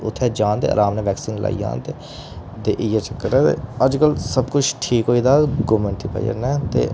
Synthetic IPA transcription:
ʊt̪ʰːɛːd͡ʒãːnt̪ḛːə̰ːɾãːmnɛ̃ːʋɛːksiːnlʔa̰ːḭːã̰ːnt̪eː | d̪eːʔɪjaːt͡ʃəkːəɾɛːt̪ḛːəd͡ʒkəlsəbkʊt͡ʃʰʈʰiːkɦoːiːd̪aːɡoːmẽːɳʈiːpa̰jə̰ɾnɛːt̪ḛː

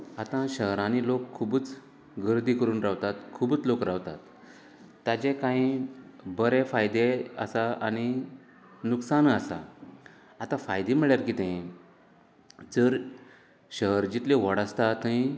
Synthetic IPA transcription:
at̪ãɕəɦɾañilokʰːubut͡s | ɡəɾd̪ikəɾuːnɾaʋt̪at̪kʰubut͡slokɾawt̪a̰t̪ː | ad͡ʑẽkãĩbəɾefajd̪eə̰saañi | nuksanəsa̰ː | t̪ãfajd̪em̤iɭjaɾkiːt̪ɛ̃ĩ | d͡zəɾ | ɕəɦəɾd͡ʑit̪liʋəɽəst̪at̪əĩ

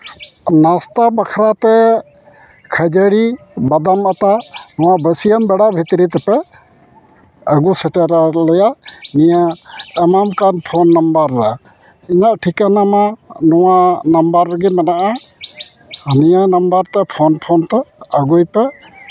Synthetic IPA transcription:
nast̪abakʰɾat̪ɛ | kʰajd͡ʒəɽi | bad̪amat̪anɔwabəsijambɛɽabʱit̪ɾit̪ɛpɛ | aɡusɛʈɛɾalɔjanijaːmamkanpʰɔnːambaɾːa | iɲaʔʈʰikanamanɔwanambaɾːəɡimanaʔa | nijanambaɾt̪ɛpʰɔnpʰɔnt̪ɛaɡujpɛ

